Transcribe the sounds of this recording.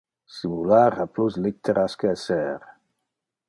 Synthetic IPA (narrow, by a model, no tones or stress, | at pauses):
simulaɾapluslit̪ːeɾaskəɛsɛːɾ